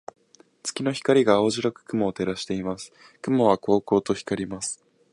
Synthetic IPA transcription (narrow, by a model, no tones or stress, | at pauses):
t͡sɨ̥kʲino̞çi̥kaɾʲiɡaːoʑiɾakɯ̟̥kɯ̟mo̞ːt̪e̞ɾaɕi̥t̪e̞imasɨ̥ | kɯ̟mo̞β̞ako̞ːko̞ːt̪o̞çi̥kaɾʲimasɨ̥